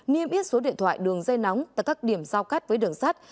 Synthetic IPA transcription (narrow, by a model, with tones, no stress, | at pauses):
ni˧əmʔi˦˥ət̚so˨˦ɗḭ˧˨ənt̪ʰwa̰ː˧˨jɗɨ˨˩əŋzə˧jna˨˦wŋ͡mt̪aː˧˨jkaː˦˥k̚ɗi˧˩əmzaː˧wkaː˦˥t̚vəː˨˦jɗɨ˨˩əŋsaː˦˥t̚